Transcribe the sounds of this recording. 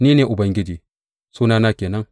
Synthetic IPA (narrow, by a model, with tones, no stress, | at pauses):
niː˦neː˨ʔʊ˨bɐ˦ŋɡʲɪ˦d͡ʒiː˨ | suː˦naː˦naː˦kʲeː˨nɐ˦ŋ